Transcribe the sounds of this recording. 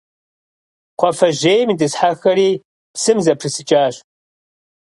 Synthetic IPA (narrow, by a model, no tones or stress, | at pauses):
qʷɔfɐʒeːjmidɨsħaxɐɾiː | psɨmzɐpʰrɨsɨt͡ʃʼaːɕ